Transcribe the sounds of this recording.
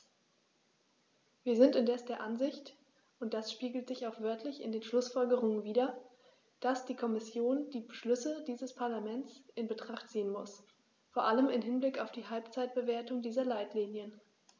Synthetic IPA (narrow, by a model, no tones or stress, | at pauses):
viːɐzɪntɪndɛsd̥eːɐʔanzɪçt | ʔʊntd̥asʃpiːɡl̩tz̥ɪçaʊxv̥œɐtʰlɪçɪ̰ndeːnʃlʊsfɔlɡəʁ̞ʊŋənviːdɐ | d̥asd̥iːkʰɔmɪsjoːnd̥iːbəʃlʏsədiːzəspʰaɐlamɛnt͡sʔɪnbətʁ̥aχtz̥iːənmʊs | foɐʔaləmɪmɦɪnblɪkaʊfd̥iːhalpt͡saɪt̚b̥əveːɐtʊŋdiːzɐlaɪtliːnjən